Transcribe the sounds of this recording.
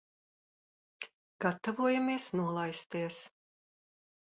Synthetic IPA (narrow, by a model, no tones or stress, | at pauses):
ɡ̥at̪ːavuɔjameɛsnuɔlˠajst̪iɛs